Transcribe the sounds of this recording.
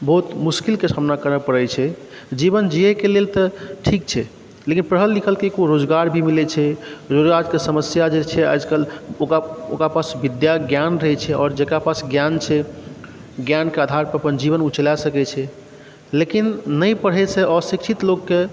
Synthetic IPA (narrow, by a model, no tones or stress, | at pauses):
bɔɦut̪muskilkesamnakəɾəpəɽɛt͡ʃʰɛ | d͡ʒibənd͡ʒiɛkelelt̪əʈʰik̚t͡ʃʰɛ | lekinpɾəɦəlːikʰəlkekoɾod͡ʒɡaɾbʱimilɛt͡ʃʰɛɾod͡ʒɡaɾkesəməsjad͡ʒet͡ʃʰɛa̰d͡ʒkəlokao̰kɾapasbid̪jaɡjanɾəɦɛt͡ʃʰɛɔːɾd͡ʒekɾapasɡjant͡ʃʰɛ | ɡjankead̪ʱaɾpəəpənd͡ʒiβənut͡ʃəlasəkɛt͡ʃʰɛ | lekinːəjpəɽ̤ɦɛt͡ʃʰɛəsik̚t͡ʃʰit̪lokːe